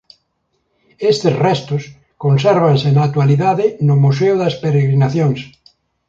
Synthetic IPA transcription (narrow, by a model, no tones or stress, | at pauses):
est̪esrɛst̪ʊs | konsɛɾβ̞ansenat̪waliðaðɪnʊmus̬eʊðaspeɾeɣɾinaθjõŋs